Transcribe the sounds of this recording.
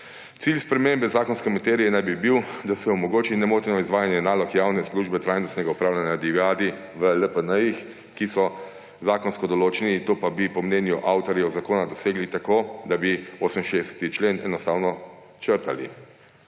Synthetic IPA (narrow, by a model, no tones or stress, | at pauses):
t̪silspɾɛmembɛzaːkɔnskɛmat̪eːɾijɛnajbibiwd̪asɛɔmɔɡoːt͡ʃinɛmoːt̪ɛnɔizʋaːjanjɛnaːlɔkjaːwnɛsluʒbɛt̪ɾajnɔst̪nɛɡaupɾaːwlʲanjad̪iɡaːd̪i | ʋələpənəjix | kisɔ | zaːkɔnskɔd̪ɔloːt͡ʃɛnit̪oːpabipɔmnɛːnjuʔawt̪ɔɾjɛɔzakoːnad̪ɔseːɡlit̪akoːd̪abioːsəminʃeːɛsɛ̥t̪it͡ʃleːnɛ̰nɔst̪aːwnɔ | t͡ʃəɾt̪alḭ